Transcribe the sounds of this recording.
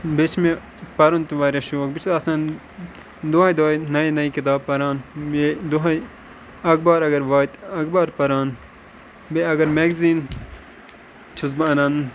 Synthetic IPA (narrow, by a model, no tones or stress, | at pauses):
bet͡ʃʰme | pɐɾont̪iʋaːɾeʃoːk̚bit͡ʃ̪ʰɐsɐːn | d̪uaːjd̪ojnɐinɐikit̪aːbpːɐɾaːned̪uɦɐj | ɐk̚baːɾɐɡɐɾʋaːjt̪ɐkbaːɾpɐɾaːn | beɐɡɐɾmeɡziːn | t͡ʃʰuzbɐnɐːn